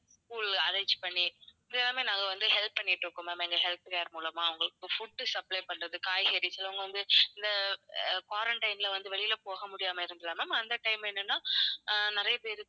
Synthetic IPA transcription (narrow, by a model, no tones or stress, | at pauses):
skuːlɐɾɐd͡ʒpɐɳːind̪eɛːlːaːmeːnãːŋɡɐʋɐnd̪ɯɦɛlpːɐɳːɪʈːɾɯkːɯmɐmɐɛŋɡɐɦɛlp̪ɯkaːɾmuːlɐmaːɐʋɐŋɡɐɭɯkːɯfʊɖːɯsɐplɐɪpɐɳːɾɐðɯkaːjɣɐɾisɪlɐʋʊŋɡɐʋɐnd̪ɯɪnd̪ɐkwaːɾɐɳʈɐɪnɪlɐʋɐnd̪ɯʋɛɭɪjɪlɐpoːɣɐmʊɽɪjaːmɐɪɾɯnd̪ɪlːaːmaːmːaːnd̪ɐʈɐɪmɛnːɐnːãːnɪɾɐjɐpeːɾɯ